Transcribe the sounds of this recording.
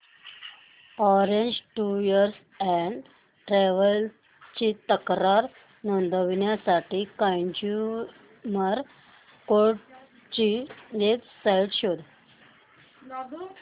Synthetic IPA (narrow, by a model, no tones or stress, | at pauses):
ɔɾeɲd͡ʑʈujəɾs | ɛɳɖ | ʈɾɛʋəl | t͡ɕit̪əkɾaɾ | nond̪ʱəʋinjasaʈikə̃jd͡ʑu | məɾ | koɾʈ | t͡ɕijetsajʈɕod̪